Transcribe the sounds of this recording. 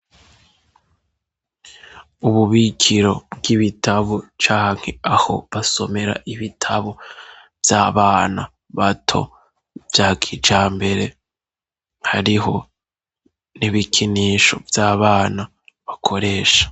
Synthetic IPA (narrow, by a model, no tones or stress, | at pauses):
uβuβikʰiɾo̞bɡiβitʰaβot͡ʃaːŋ̥he̞aho̞̰βaso̞me̞ɾa̰ʔiβitʰaβo | vjaːβaːna | βatʰo̞̰ | vjaːkʰit͡ʃaːmbe̞ɾe̞ | haɾiɦo̞ | niβikʰiniːʃo̞̰vjaːβaːna | βakʰo̞ɾe̞ːʃḁ